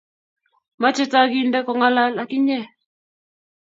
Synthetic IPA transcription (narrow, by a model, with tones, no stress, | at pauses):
ma˦t͡ʃɛ˦ta˦ɡi˦ndɛ˦kɔ˨ŋa˦la˦la˨ki˦ɲɛ˦˨